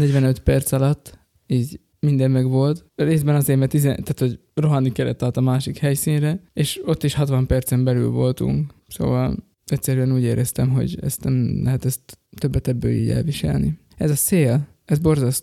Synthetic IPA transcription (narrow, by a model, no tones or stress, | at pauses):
nɛɟʋɛnø̞t̪pɛrt̪sɒlɒt̪ː | iːɟ | mind̪ɛmːɛɡʋo̞lt̪reːzbɛnɒzeːmɛt̪izɛt̪aːt̪ho̞ɟ | ro̞ɦɒnikɛɾɛ̰t̪ːɒːt̪ɒmaːʃikhɛjsiːnrɛeːʃo̞t̪ːiʃhɒt̪ʋɒmpɛrt̪sɛmbɛly̰lvo̞lt̪ṵŋkso̰ːvɒ̰l | ɛcsɛɾyɛnuːɟeːɾʔɛst̪ɛmɦo̞̰ɟɛ̰st̪nɛmlɛɦɛt̪ɛst̪ːø̞bːɛt̪ɛbːø̰ːlḭːɟɛ̰lviʃɛ̰lnḭ | ɛzɒseːl | ɛzbo̞rzɒst̪